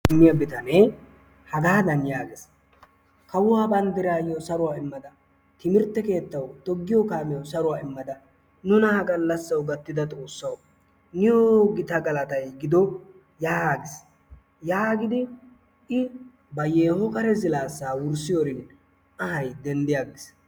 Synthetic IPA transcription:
ɪmːɪjɐbɪt̪ɐneː | hɐɡaːd̪ɐnjaːɡɪs | kɐwʊwaːbɐnd̪ɪɾaːjɔsɐɾʊwaːɪmːɐd̪ɐ | t̪ɪmɪɾt̪ːɛke̞ːt̪ːɐwt̪ɔɡːɪjɔkaːmɛjɐsɐɾʊwaːɪmːɐd̪ɐ | nʊnɐhɐɡʼɐlːɐsːɐwɡɐt̪ːɪd̪ɐt̪ʼo̞ːsːɐw | nɪjoɡɪt̪ɐɡɐlɐt̪ɐjɡɪd̪ɔ | jaːɡɪs | jaːɡɪd̪ɪ | ʔɪ | bɐje̞ːhɔkɐɾɛzɪlaːsːaːwʊɾsɪjoɾɪn | ɐhɐjd̪ɛnd̪ɪjaːɡɪs

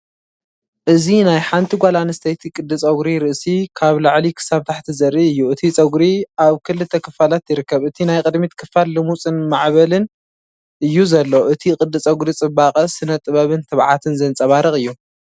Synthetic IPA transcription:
ʔɨzinajħant̪ʰiɡʷalanɐst̪ʰɐjt̪ʰikʼɨd̪ːɨt͡sʼɐɡɾiɾɨʔsikʰaβlaʕlikʰɨ̥saβt̪ʰaħt̪ʰizɐɾʔiʔɨjːuɨt̪ʰit͡sʼɐɡɾiʔaβkʰɨlɨt̪ʰːɐkʰɨfalat̪jɪɾɨkːɐβɨt̪ʰinajkʼɨd̪mit̪kʰɨfalːɨmut͡sʼɨnmaʕβɐlɨn | ʔɨjːuzɐlːoʔɨt̪ʰikʼɨd̪ːɨt͡sʼɐɡɾit͡sʼɨbaqʼɐsɨnɐt̪ʼːɨβɐβɨnt̪ʰɨβʕa̰t̪ʰɨnzɐnt͡sʼɐβaɾɨxʼɨjːu

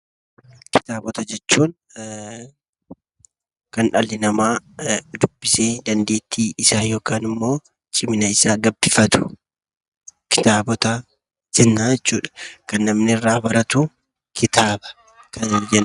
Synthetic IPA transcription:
kɪ̥t̪aːbɔt̪ɐd͡ʒɛt͡ʃːuːn | kɐnᶑɐlːɪnɐmaːd̪ʊbːɪseːd̪ɐnd̪e̞ːt̪ʰːiːɪsaːjo̞ːkaːnɪmːo̞ː | t͡ʃʼɪmɪnɐɪsaːɡɐbːɪfɐt̪ʊ̥ | kɪ̥t̪aːbɔt̪ɐ | d͡ʒɛnːaːd͡ʒɛt͡ʃːuːᶑɐ̥kɐnːɐmnɪrːaːbɐɾɐt̪ʊ | kʰɪt̪aːbɐ̥ | kɐd͡ʒɛn

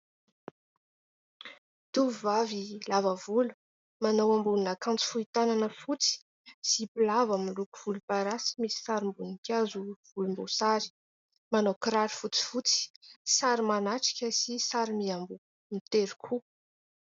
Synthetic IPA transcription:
t̪uvavilavəvulu̥ | manawambuninakãnt͡si̥fuit̪ananəfut͡si̥ | sipulavamiluku̥v̥ulupaɾasi̥misi̥saɾimbunikʲazuv̥ulumbosaɾi̥ | manokɾaɾifut͡si̥fut͡si̥saɾimanaʈ͡ʂi̥kʲəsisaɾimiambu | mit̪eɾi̥kʰu

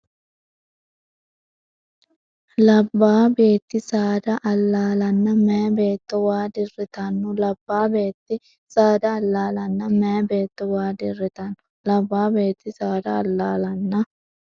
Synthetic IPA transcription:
lɐbːaːbe̞ːt̪ːɪsaːd̪ɐʔɐlːaːlɐnːɐmɛːbeːt̪ːɔwaːd̪ɪrɪt̪ɐnːʊlɐbːaːbeːt̪ːɪ | saːd̪ɐːlːaːlɐnːɐmɛbe̞ːt̪ːɔwaːd̪ɪrːɪt̪ɐnːʊ̥ | lɐbːaːbe̞ːt̪ːɪsaːd̪ɐːlːaːlɐnːɐ

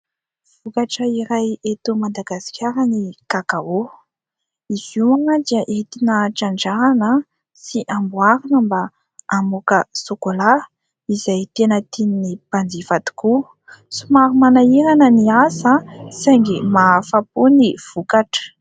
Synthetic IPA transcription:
v̥ukaʈ͡ʂəiɾajet̪umad̪aɡasi̥kʲaɾənikakao | iz̥uaŋəd̪iaʔet̪inəʈ͡ʂaɳɖ͡ʐaɾanə | siʔambwaɾinəmba | amukəsokola | izajt̪enət̪ininipand͡zivat̪i̥ku | sumaɾumanaiɾanəniasəsajŋɡimafapuniv̥ukaʈ͡ʂə̥

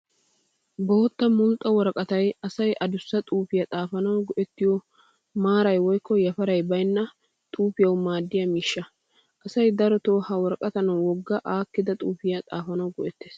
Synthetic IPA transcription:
boːt̪ːɐmʊlt̪ʼːɐwɔɾkʼɐt̪ɐjɐsɐjʔɐd̪ʊsːɐt̪ʼuːfɪjɐt̪ʼaːfɐnɐwɡɔʔɛt̪ːɪjɔ | maːɾɐjwɔjkːɔjɐfɐɾɐjbɐjnːɐ | t̪ʼuːfɪjɐwmaːd̪ːɪjɐmiːʃːɐ | ʔɐsɐjd̪ɐɾɔt̪oːhɐwɔɾkʼɐt̪ɐnɐwɔɡːɐʔaːkːɪd̪ɐt̪ʼuːfɪjɐt̪ʼaːfɐnɐwɡɔʔɛt̪ːeːs

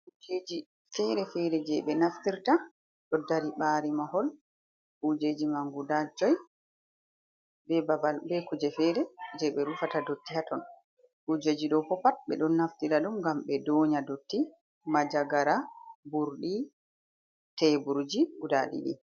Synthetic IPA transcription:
ʔud͡ʒed͡ʒi | fɛɾɛfɛɾɛd͡ʒɛɓɛnaftiɾta | ɗɔdːaɾiɓaːɾimahɔl | ʔud͡ʒeːd͡ʒimaŋɡudad͡ʒɔj | bɛbabalbɛkud͡ʒɛfɛɾɛd͡ʒɛɓɛɾufatadotːihatɔn | ʔud͡ʒeːd͡ʒiɗɔpɔpat̚ɓɛ̰ɗɔnːaftiɾaɗumɡamɓɛdɔːɲadotːi | mad͡ʒaɡaɾabuɾɗi | tɛbuɾd͡ʒiɡuda̰lḭɗḭ

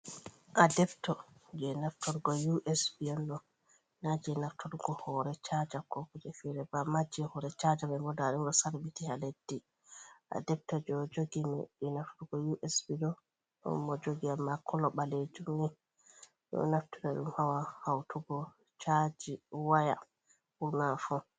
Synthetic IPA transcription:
ʔadɛbtɔd͡ʒɛnaftʰɔɾɡɔjuʔɛsbiɛndɔ | nad͡ʒɛnaftʰɔɾɡɔhɔɾɛt͡ʃad͡ʒakɔkud͡ʒɛfiɾɛbamad͡ʒɛhɔɾɛt͡ʃad͡ʒamɛbɔdaɗumɗɔsaɾbitihaledːi | ʔa̰dɛp̚tad͡ʒɔd͡ʒoɡimɛ̰ɗɛnafuɡɔjuʔɛsbiɗɔ | ɔ̰mːɔd͡ʒoɡiamːakʰɔlɔɓaled͡ʒumni | jɔ̰naftuɾaɗumhawahawtʰuɡɔ | t͡ʃad͡ʒiwaja̰ | buɾnafɔ

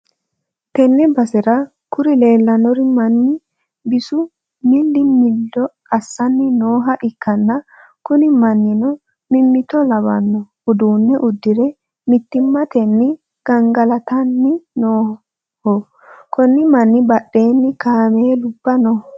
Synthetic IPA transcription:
t̪ɛnːɛbɐsɛɾɐ | kʊɾɪle̞ːlːɐnɔɾɪmɐnːɪ | bɪsʊ | mɪld̪ɪmɪlːɔ | ɐsːɐnːɪnoːɦɐʔɪkʰːɐnːɐ | kʊnɪmɐnːɪnɔ | mɪmːɪt̪ɔlɐβɐ̰nːɔhʊd̪uːnːɛʔʊd̪ːɪɾɛ | mɪt̪ːɪmːɐt̪ɛnːɪ | ɡ̥ɐŋɡɐlɐt̪ɐnːɪnoː | hɔ | kɔnːɪmɐnːɪbɐɗːe̞ːnːɪkaːmeːlʊbːɐnɔ

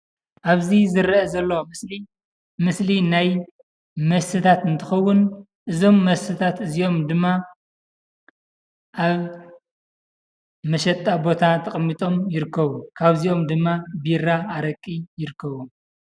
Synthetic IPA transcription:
ʔaβzizɨɾɐʔɐzɐlːɐwmɨsli | mɨslinaj | mɐsɨt̪ʰat̪ɨnt̪ʰɨxɐwːʊn | ʔɨzo̞mːɐsɨt̪ʰat̪ɨzio̞md̪ɨmːa | ʔaβ | mɐʃɐt̪ʼːabo̞t̪ʰat̪ʰɐχʼmːit̪ʼo̞mjɪɾɨkʰːɐβukʰaβzio̞md̪ɨmːabiɾaːɾɐkʼːijɪɾɨkʰːɐβu

